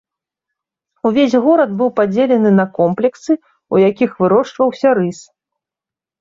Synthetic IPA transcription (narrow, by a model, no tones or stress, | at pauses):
uvʲesʲɣɔɾɐd̪bɨwpad͡zʲelʲɛnɨnɐkɔmplʲɛksɨ | ujakʲixvɨɾɔʂt͡ʂvɐwsʲɐɾɨs